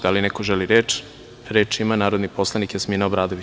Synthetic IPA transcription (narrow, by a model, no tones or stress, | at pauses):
d̪̥alinekoʒeliɾeːt͡ʃ | ɾeːt͡ʃimanaːɾod̪nipo̞slˠanikjasminaobɾaːd̪oʋi